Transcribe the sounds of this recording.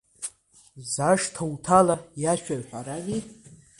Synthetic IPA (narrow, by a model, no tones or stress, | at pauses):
zaʂtʰawtʰalajaʃᶣaɥħʷaɾaɡʲi